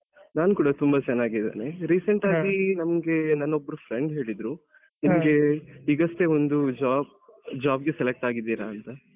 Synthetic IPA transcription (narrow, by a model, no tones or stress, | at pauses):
naːnukuːɽɐt̪umbɐt͡ʃɛnːaːɡid̪ḛːneɾiːseɳʈaːɡinɐmɐɡe̞nɐnːobːɐɾupʰɾeɳɖɦe̞ːɭid̪ɾu | nimɐɡe̞iːɡɐst̪e̞ond̪ud͡ʒaːb̚ | d͡ʒaːbɡe̞selek̚ʈaːɡid̪ːiːɾaːnt̪ɐ